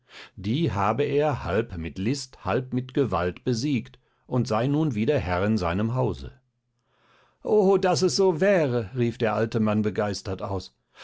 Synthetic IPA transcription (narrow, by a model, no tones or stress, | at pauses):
d̥iːɦaːbəeːɐhalpmɪtlɪsthalp̚mɪtɡ̥əva̰ltb̥əziːkt | ʔʊntz̥aɪnuːnviːdeɐɦɛʁɪnzaɪnəmɦaʊzə̰ | ʔodas̬ɛsz̥oːvɛːʁəʁiːfd̥eːɐʔaltəmanbəɡaɪstɐtʔa̰ʊs